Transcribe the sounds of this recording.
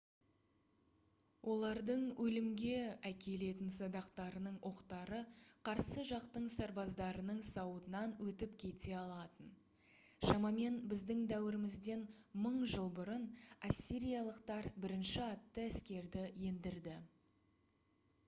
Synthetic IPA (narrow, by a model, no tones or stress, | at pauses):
wʔo̞lˠɑɾd̪əɴwʔɵlɪmɡʲe̞ækʲʰe̞le̞t̪ɪnsɑd̪ɑqt̪ɑɾənəɴwʔo̞qt̪ɑɾəqʰɑɾsəʒɑqt̪əɴsɑɾbɑzd̪ɑɾənəɴsɑwət̪ənɑnwɵt̪ɪpkʲʰe̞t̪e̞ɑlˠɑt̪ən | ʃɑmɑme̞nbɪzd̪ɪŋd̪æwɪɾɪmɪzd̪e̞nməɴʒəlˠbʊɾənasʲːiɾʲijɑlˠəqt̪ɑɾbɪɾɪnʃɪɑt̪ːəæskʲe̞ɾd̪ɪje̞nd̪ɪɾd̪ɪ